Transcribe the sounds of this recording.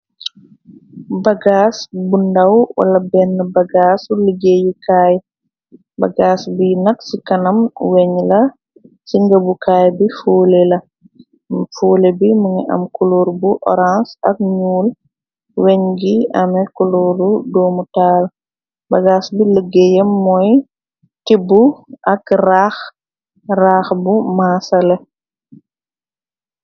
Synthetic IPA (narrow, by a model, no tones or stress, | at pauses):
baɡaːsbundawwa̰lɐbɛnːəbaɡasuləɡejikaːj | baɡaːsbinɐksikɐnɐmwɛɲlɐ | siŋɡəbukaːjbifoːlelɐ | foːlebiməŋiʔɐ̰mkuloːɾbuʔɔ̰ɾãnsɐk̚ɲuːl | wɛɲɡiɐmɛkuluɾudɔːmutaːl | bɐɡaːsbiləɡːɛjɛmːɔj | tibːuʔɐkrax | raːxbumaːsɐlɛ